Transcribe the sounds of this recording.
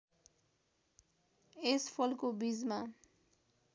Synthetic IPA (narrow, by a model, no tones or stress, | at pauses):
espʰʌlkobid͡zma